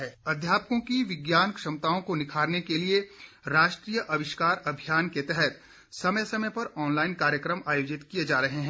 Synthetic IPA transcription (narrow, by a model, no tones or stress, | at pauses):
ɛɐd̪ʱjaːpkõkiʋɪɡjaːnkʃɐmt̪aːõkonɪkʰaːɾnekelie | ɾaːʃʈɾiːjəʔɐʋɪʃkaːɾɐbʱijaːnket̪ɛɦɛt̪ | sɐməjsɐməjpɐɾɔːnlaːɪnkaːɾjəkɾəmaːjoːd͡ʒɪt̪kijed͡ʒaːɾɐɦeɦɛ̃